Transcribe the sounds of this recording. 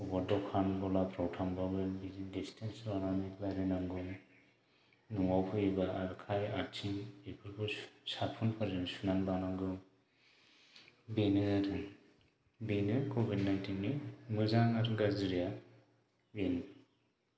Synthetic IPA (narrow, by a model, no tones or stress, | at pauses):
ɔbɔɾdɔkʰanbɔlapʰɾɔwtʰambabɯbizidistʰensɾananiklajɾɯnaŋɡɯ | nuŋawpʰɯibaːɾkʰajat͡ʃʰinepʰɯɾbʰɯsapʰɔnpʰaɾɯnsunanbanaŋɡɯ | benɯɾ | benɯkobid̚najntinːɯmɯzaŋaɾɡaziɾija | ben